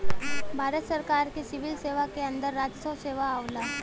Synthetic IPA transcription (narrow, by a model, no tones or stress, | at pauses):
bʱaɾət̪səɾkaɾkesiʋilseʋakeənd̪əɾːad͡ʒsoseʋaːʋla